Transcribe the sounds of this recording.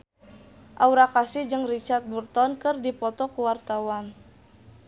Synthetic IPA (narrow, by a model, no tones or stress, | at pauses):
ʔauɾakasɪd͡ʒɨŋrit͡ʃart̪̚burt̪ɔnkɨrdipɔt̪ɔkuwart̪awan